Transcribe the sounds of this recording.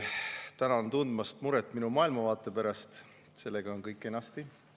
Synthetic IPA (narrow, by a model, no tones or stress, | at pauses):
t̪ænɑont̪und̪mɑst̪muɾet̪ˑːminumɑːilmɑvɑːt̪ːˑe̞pæɾɑst̪ | se̞lːe̞ɡ̥ɑonkɤjkːˑe̞nːɑst̪i